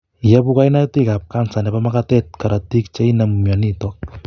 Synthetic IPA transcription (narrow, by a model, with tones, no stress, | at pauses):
ja˦pu˦ka˦jna˦ti˦ka˨p̚ka˦˨nsa˨nɛ˨ba˦maka˦tɛ˦t̚ka˨ɾa˨ti˦k̚t͡ʃe˦ina˨mmja˨ni˦to˨k̚